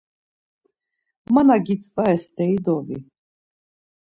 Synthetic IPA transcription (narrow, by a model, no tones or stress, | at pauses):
manaɡit̪t͡sʼpʼaɛst̪ɛjd̪ɔvḭ